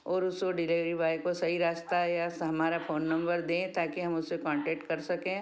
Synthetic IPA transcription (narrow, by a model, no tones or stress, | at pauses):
ɔːɾʊskoɖɪliʋɾibaːjkosɐɦiɾaːst̪aɦɛjasɦɐmaːɾafoːnːɐ̃mbəɾd̪ẽːt̪aːkiɦɐmʊsekɔ̃ːɳʈɛːk̚ʈkɐɾsɐkẽː